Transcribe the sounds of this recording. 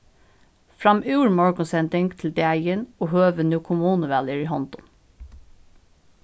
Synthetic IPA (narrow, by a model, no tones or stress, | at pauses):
fɾɑmʉːɹmɔɹkʊnsɛnd̪ɪŋt̪ʰl̩d̪ɛæɪənoːhøːʋənʉːkʰʊmuːnəʋæljəɹiːhɔnt̪ʊm